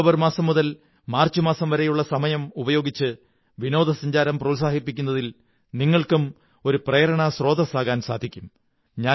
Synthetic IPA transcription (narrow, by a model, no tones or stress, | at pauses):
bɐrmaːsɐmːuðɐl | maːrt͡ɕːumaːsɐmʋɐɾejuɭːɐsɐmɐjɐmubɐjo̞ːɡit͡ɕːɨ | ʋino̞ːd̪ʱɐsɐɲd͡ʑaːɾɐmprɐuls̬aːhipːikʲːunːɐðil | niŋːɐɭkum | o̞ɾuprɐjɐɾɐɳɐsro̞ːd̪ɐsaːɣaːnsaːd̪ʱikʲːum | ɲaː